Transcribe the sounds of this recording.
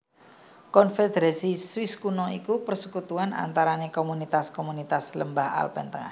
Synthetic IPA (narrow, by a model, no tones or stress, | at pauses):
kɔnfed̪eɾasiswiskunɔikupərsukut̪uana̰nt̪aɾanekomunit̪askomunit̪asləmbaha̰lpɛ̰nt̪əŋa̰h